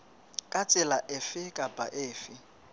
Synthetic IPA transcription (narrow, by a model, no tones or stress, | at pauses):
kʼat͡sʼɪlaʔɪfɪkʼapʼa̰ʔɪːfɪ